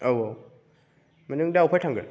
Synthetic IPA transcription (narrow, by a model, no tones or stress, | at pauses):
owaw | manɯŋdawpʰajtʰaŋɡɯ̰n